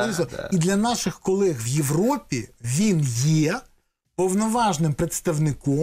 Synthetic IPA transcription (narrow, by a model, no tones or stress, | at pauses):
izˠɔid̪lʲɐnɑʃɪxkɔlˠɛɣʋjeʋrɔpʲiʋʲinjɛ | pɔwnɔʋɑʒnɪmpɾet̪st̪ɐʋnɪkɔ